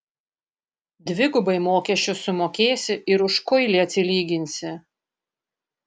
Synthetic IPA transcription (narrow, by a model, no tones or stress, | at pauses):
d̪ʲʋʲɪɡʊbɐɪmoːkʲɛʃʲt͡ʃʲʊsʊmoːkʲeːsʲɪʔɪɾʊʃkɔɪlʲiːɐt̪ʲsʲɪlʲiːɡʲɪnʲsʲɪ